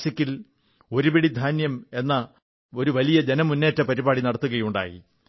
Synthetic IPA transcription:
sɐkʲːil | o̞ɾupeɽid̪ʱaːnjɐme̞nːɐ | o̞ɾuʋɐlijɐd͡ʑe̞nɐmunːe̞ːtːɐpɐɾibaːɽinɐɽɐt̪ːuɣɐjuɳɖa̰ːjḭ

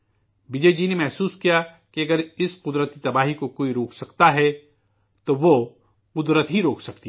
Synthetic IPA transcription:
bɪd͡ʒed͡ʒiːnemɛɦsuːskija | keɐɡəɾɪsqʊd̪ɾət̪it̪ɐbaːɦikokoːiɾoːksɐkt̪aɦɛ | t̪oʋo | qʊd̪ɾət̪ɦiɾoːksɐk̚t̪i

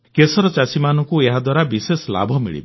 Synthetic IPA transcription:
kesɔɾɔt͡ʃasimanɔŋkueɦad̪waɾabisesɔla̰bʱɔmḭɭḭbe

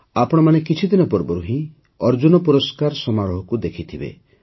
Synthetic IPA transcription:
apɔɽ̃ɔmanekit͡ʃʰid̪inɔpɔɾbɔɾuɦĩ | ɔɾd͡ʒunɔpuɾɔskaɾsɔmaɾɔɦɔkud̪ekʰit̪ʰibḛ

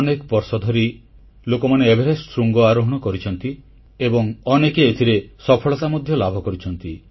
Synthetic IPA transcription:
ɔnekɔpɔɾsɔd̪ʱɔɾi | lokɔmaneebʱeɾestɾuŋɡɔaɾoɦɔɽ̃ɔkɔɾit͡ʃʰɔnt̪i | ebɔŋɔnekeːt̪ʰiɾesɔpʰɔɭɔsamɔd̪ʱjɔlabʱɔkɔɾit͡ʃʰɔnt̪i

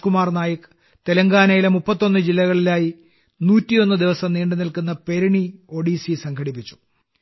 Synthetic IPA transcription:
kumaːrnaːjɐk | t̪elɐŋɡaːnɐjilemupːɐt̪ːo̞nːɨd͡ʑilːɐɣɐɭilaːji | nuːtːijo̞nːɨd̪iʋɐsɐmniːɳɖɨnilkunːɐpe̞ɾuɳio̞ːɖisisɐŋkʰɐɽipːit͡ɕːu̥

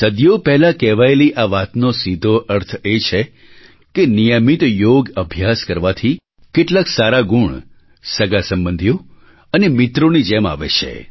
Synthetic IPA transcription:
səd̪jopɛɦlakɛʋaeliʔaʋat̪nosid̪ʱoʔəɾt̪ʰet͡ʃʰe | kenijəmit̪joɡəbʱjaskəɾʋat̪ʰi | keʈlaksaɾaɡuɳ | səɡasəmbənd̪ʱjo | ənemɪt̪ɾonid͡ʒɛma̰ʋḛt͡ʃʰḛ

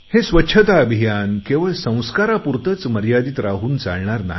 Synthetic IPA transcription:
hesʋətːɕʰət̪aəbʱijankeʋəɭsə̃w̃skaɾapuɾt̪ət͡sməɾjad̪it̪ɾaɦuːnt͡sa̰ɭɳaɾna̰ɦ

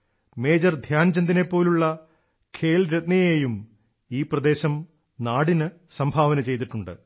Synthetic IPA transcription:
me̞ːd͡ʑɐrd̪ʱjaːnd͡ʑɐnd̪ine̞pːo̞ːluɭːɐ | kʰe̞ːlɾet̪̚nɐjeːjum | iːprɐd̪e̞ːɕɐm | naːɽinɨsɐmbʱaːʋɐnɐt͡ɕe̞jt̪̬iʈːuɳɖɨ̰

